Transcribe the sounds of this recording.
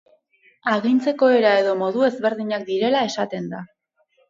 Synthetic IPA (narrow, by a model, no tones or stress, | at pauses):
aɣint͡se̞ko̞e̞ɾae̞ðo̞mo̞ðue̞zβe̞ɾðiɲak̚d̪iɾe̞lae̞sat̪e̞nd̪a